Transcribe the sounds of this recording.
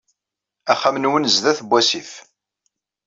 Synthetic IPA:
æχːæmnwənzðæθbʷːæsif

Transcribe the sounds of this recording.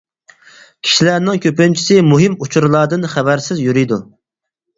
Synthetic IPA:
kʲʰi̥ʃilæɾnɪŋkʲʰøpynt͡ʃʰi̥sɪmuɦɪmut͡ʃʰuɾɨlˠɑd̪ɨnχæbæɾsɪzjyɾid̪u

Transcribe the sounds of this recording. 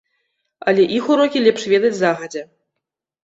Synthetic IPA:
ɐ̰lʲɛʔixuɾɔkʲilʲɛpʂvʲɛd̪ɐt͡sʲzaɣɐd͡zʲɛ

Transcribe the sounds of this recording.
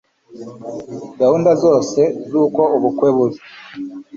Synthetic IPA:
ɡahuːndazo̞ːse̞zuːko̞uβukweːβuɾi

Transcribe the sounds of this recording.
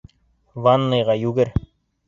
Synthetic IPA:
vanːɤ̆jʁɑjʉɡɘɾ

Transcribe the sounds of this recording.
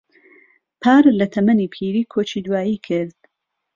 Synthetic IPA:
pʰaːɾlɐt̪ʰɐmɐnipʰiːɾiːkʰot͡ʃiːd̪waːjikʰɪɾd̪̥̚

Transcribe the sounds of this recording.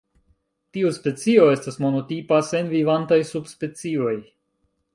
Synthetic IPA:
tiuspe̞t͡sio̞e̞stasmo̞no̞tipase̞nvivantajsubspe̞t͡sio̞j

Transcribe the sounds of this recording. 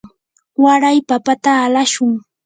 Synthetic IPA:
waɾajpapat̪aːlaʃʊŋ

